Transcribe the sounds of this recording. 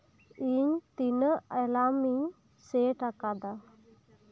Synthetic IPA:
iɲt̪inəɛlami | seʈakad̪a

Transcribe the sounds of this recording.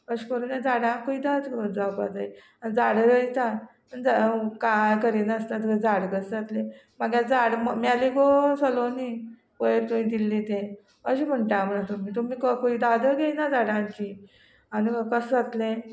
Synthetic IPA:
əɕkəɾunjad͡zaɽãŋkoiːd̪ad̪kod͡zapa̰d͡zai | anid͡zaɽɾəit̪a | ənd͡zakajkəɾinəst̪at̪̬əked͡zaɽkəsd͡zat̪lẽ | maɡjad͡zaɽmmaliɡosəloni | pəjeɾt̪umiːd̪ilːet̪ẽ | əɕim̤əɳʈam̤ənat̪um̤iːt̪um̤iːkəkoiːd̪ad̪əɡejnad͡zaɽãŋki | anikəsd͡zat̪lẽ

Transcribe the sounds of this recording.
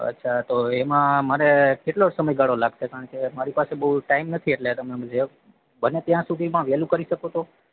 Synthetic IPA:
ə̰tːʃʰat̪oemãmaɾekeʈlosəməjɡaɭolaɡʃekaɾəɳkemaɾipasebəɦuʈaimnət̪ʰieʈlet̪əmemd͡ʒe | bənet̪jãsud̪ʱimãʋelũkəɾiʃəkot̪ʰo

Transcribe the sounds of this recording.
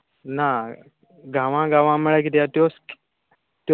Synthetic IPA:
na | ɡaʋãɡaʋãməɭəkid̪ijat̪josk | t̪

